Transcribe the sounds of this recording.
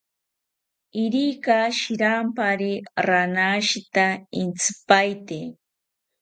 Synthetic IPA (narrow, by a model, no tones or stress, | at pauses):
ɪɾikaʃiɾampaɾiɾanaʃit̪aɪnt͡sɨ̥pajt̪e